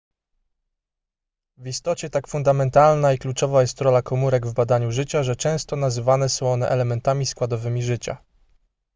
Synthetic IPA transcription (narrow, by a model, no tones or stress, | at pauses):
vist̪ɔt͡ɕɛt̪akfund̪amɛnt̪alnaiklut͡ʂɔvajɛst̪ɾɔlakɔmuɾɛɡvbad̪aɲuʐɘt͡ɕaʐɛt͡ʂɛ̃w̃st̪ɔnazɘvanɛsɔ̃w̃ɔnɛ̰ʔɛlɛmɛnt̪amʲiskwad̪ɔvɘmʲiʐɘt͡ɕa̰